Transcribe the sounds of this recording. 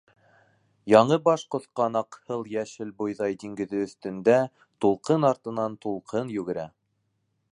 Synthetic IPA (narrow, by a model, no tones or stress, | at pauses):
jɑɴɤbɑʃqŏθqɑnɑqhɤlˠjæʃɘlbŏjðɑjd̪iŋɡɘ̆ðɘɵ̆θt̪ɘ̆nd̪æ | t̪ulˠqɤnɑɾt̪ɤ̆nɑnt̪ulˠqʰɤnjɵ̆ɡɘ̆ɾæ